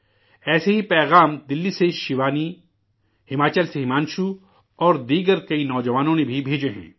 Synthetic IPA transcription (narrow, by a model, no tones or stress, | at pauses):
ɛːseɦipɛːɣaːmd̪ɪlːiseʃɪʋaːni | hɪmaːt͡ʃəlseɦɪmaːnʃu | ɔːɾd̪iːɡəɾkɐinɔːd͡ʒəʋaːnõnebʱibʱeːd͡ʒeɦɛ̰̃ː